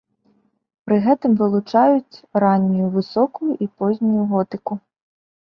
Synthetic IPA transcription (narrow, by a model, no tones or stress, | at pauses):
pɾɨɣɛt̪ɨmvɨlˠut͡ʂajut͡sʲɾanʲːujuvɨsɔkujuʔipɔzʲnʲujuɣɔt̪ɨku